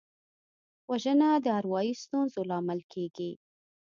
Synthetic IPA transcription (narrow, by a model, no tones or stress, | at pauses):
waʒənad̪əaɾwɑjist̪unzolɑmalkʰeɡi